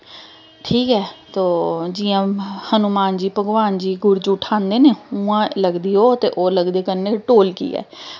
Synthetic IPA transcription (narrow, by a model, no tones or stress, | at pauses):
ʈʰiːkɦɛːt̪oːd͡ʒɪːãːhənumaːnd͡ʒiːpəɡʋaːnd͡ʒiːɡʊɾd͡ʒuːʈʰaːnd̪eːneːʊãːləɡd̪iːoːt̪eːʔoːləɡd̪eːkənːeːʈoːlkḭːɛ̰ː